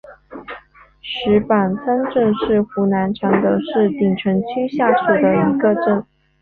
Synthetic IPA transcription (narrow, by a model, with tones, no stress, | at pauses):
ʂɻ̩˧˥pa˨˩nsa˥nʈ͡ʂə˥˧nʂɻ̩˥˩xu˧˥na˧˥nʈ͡ʂʰɑ˧˥ŋd̪ə˧ʂɻ̩˥˩t̪i˨˩ŋʈ͡ʂʰə˧˥nt͡ɕʰy˥nɕja˥˩ʂu˨˩d̪ə˦i˧˥ɡə˧ʈ͡ʂə˥˩n